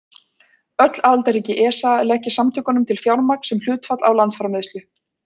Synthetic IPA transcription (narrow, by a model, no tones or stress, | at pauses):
œt̪lalt̪aɾiːcɪʔɛːsaɛɾlɛhcɪ̥samt̪ʰʏːkanʏmt̪ʰɪlfjawɾmaɾksɛml̥jʏːt̪fat̪lawlant̪sfɾamɪðst̪ʏ